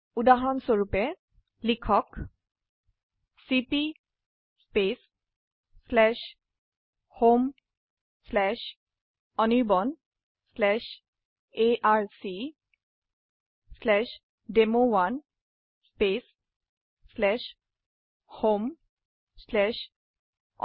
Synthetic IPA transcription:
udaɦɔnsoɹupɛ | likʰɔk | sipi | spesː | lɛʃ | hom | slɛʃ | ɔniɹbɔn | slɛʃ | eʔaɹsi | slɛʃ | demowan | spesː | lɛʃ | hom | slɛʃ

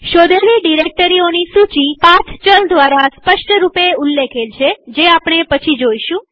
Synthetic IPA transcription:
ʃod̪əliɖiɾek̚ʈəɾionisut͡ʃipãt͡ʃʰt͡ʃəld̪ʋaɾaspəʃʈəɾupeulːekʰelt͡ʃʰed͡ʒeapɳ̃epət͡ʃʰid͡ʒoiʃũ

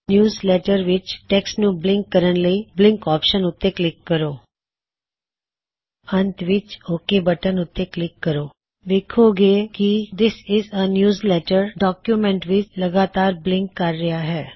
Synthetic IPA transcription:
njuːzlɛːʈəɾʋɪt͡ʃʈɛksnũːblɪ̃ŋkːəɾənləiːblɪ̃ŋkɔːpʃənʊt̪ːeklɪkːəɾoː | ə̃nt̪ʋɪt͡ʃoːkebəʈənʊt̪ːeklɪkːəɾoː | ʋeːkʰoːɡeːkid̪ɪsɪzənjuːzlɛːʈəɾɖɔːkjumɛ̃ɳʈʋɪt͡ʃləɡaːt̪aːɾblɪ̃ŋkːɐɾːɪaːɦɛː

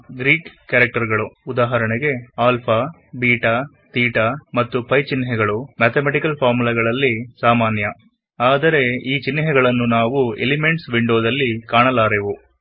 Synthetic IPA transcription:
ɡɾiːkkːɐɾɐk̚ʈɐɾɡɐɭuud̪aːɦɐɾɐɳɛɡe̞aːlpʰa | biːʈɐ | t̪iːʈɐmɐt̪ːupɐjt͡ʃinːɦɛɡɐɭumaːt̪ʰemeʈikɐlpʰaːɾmulɐɡɐɭɐlːisaːmaːnjɐ | aːd̪ɐɾe̞iːt͡ʃinːɦɛɡɐɭɐnːunaːʋuḛlime̞ɳʈsʋiɳɖoːd̪ɐlːikaːɳɐlaːɾeʋu

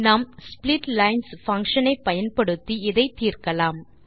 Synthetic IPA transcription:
naːmsplɪʈlɐɪnsfɐŋkʂɐnɐɪpːɐjɐnpɐɽɯt̪ːiɪðɐɪt̪iːrkɐlaːm

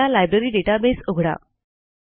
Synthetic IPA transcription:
alajbɾeɾiːɖeʈabesoɡʱɽa̰

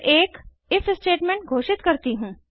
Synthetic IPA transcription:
eːk | ɪfʰsʈeːʈmẽɳʈ̚ɡʱoːʃɪt̪kɐɾt̪iɦũː

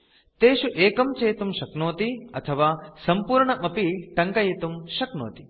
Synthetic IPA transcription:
t̪eːʃuʔeːkɐmt͡ʃeːt̪umʃɐknoːt̪iɐt̪ʰɐʋaːsɐmpuːɾɳɐmɐpiʈɐŋkɐjet̪umʃɐkno̰ːt̪i̥

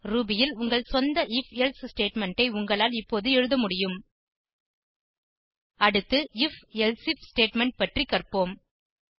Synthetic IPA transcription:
ruːbɪjɪlʊŋɡɐɭsɔnd̪ɐʔɪfɛlssʈeːʈmɛɳʈɐɪʊŋɡɐɭaːlɪpːoːðɯɛɻɯðɐmʊɽɪjɯm | ɐɽɯt̪ːɯɪfɛlsɪfsʈeːʈmɛɳʈ̚pɐʈrikɐrpoːm

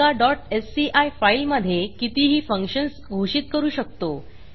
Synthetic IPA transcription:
aɖɔʈesːiʔajfailməd̪ʱːjekit̪iːɦiːfəŋkɕənsɡʱoɕiːt̪̚kəɾuːɕək̚t̪o

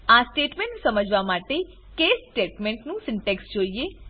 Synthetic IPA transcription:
aːsʈeːʈmɛ̃ɳʈsəməd͡ʒʋamaːʈe | keːsʈeːʈmɛ̃ɳʈnũsɪ̃ɳʈeksd͡ʒoːieː

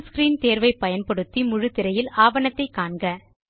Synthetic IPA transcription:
skɾiːnt̪eːɾʋɐɪpːɐjɐnpɐɽɯt̪ːimʊɻɯt̪ːɪɾɐjɪlaːʋɐnɐt̪ːɐɪkːaːɳɡɐ

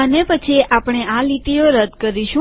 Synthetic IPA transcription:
ənepət͡ʃʰiʔapɽ̃eãlit̪ioɾəd̪kəɾiʃũ

